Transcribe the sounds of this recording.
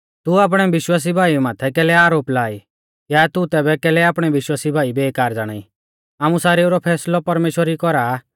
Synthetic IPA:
t̪uaːp̬ɽ̃ɛʋɪʃwaːs̬ibʱaːimaːt̪ʰɛkɛːlɛaːɾoːplaːi | jaːt̪ut̪ɛːbɛkɛːlɛaːpɽ̃ɛʋɪʃwaːsibʱaːibɛːkaːɾd͡zaːɽ̃a̰ːi | aːmusaːɾeʊɾɔpʰɛːslɔpɐɾmeːʃwəɾikɔɾa

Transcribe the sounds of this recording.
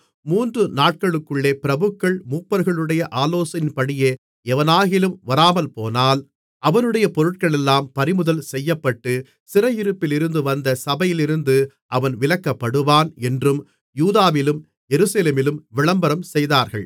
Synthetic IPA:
muːndrɯnaːʈ̚kɐɭɯkːɯɭːeːpɪɾɐbɯkːɐɭmuːpːɐɾɣɐɭɯɽɐjɐʔaːloːsɐnɪnpɐɽɪjeː | ɛʋɐnaːɣɪlɯmʋɐɾaːmɐlpoːnaːl | ʔɐʋɐnɯɽɐjɐpɔɾɯʈ̚kɐɭɛlːaːmpɐɾɪmɯðɐlsɛjːɐpːɐʈːɯ | sɪrɐjɪɾɯpːɪlɪɾɯnd̪ɯʋɐnd̪ɐsɐbɐjɪlɪɾɯnd̪ɯ | ʔɐʋɐnʋɪlɐkːɐpːɐɽɯʋaːnɛndrɯm | juːðaːʋɪlɯm | jɛɾɯsɐleːmɪlɯmʋɪɭɐmbɐɾɐmsɛjðaːɾɣɐɭ

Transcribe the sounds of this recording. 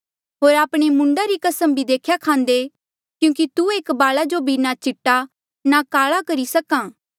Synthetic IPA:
ɦoːɾaːpɽ̃emʊ̃ɳɖaɾikɐsəmbʱid̪eːkʰjakʰãːnd̪e | kjũːk̬it̪ueːkbaːɭad͡ʒobʱinat͡ʃɪʈːa | nakaːɭakɐɾisɐkãː

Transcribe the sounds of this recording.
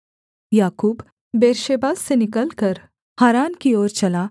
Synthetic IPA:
jaːkuːb | beːɾʃeːbaːsːenɪkəlkəɾ | haːɾaːnkioːɾt͡ʃɐla

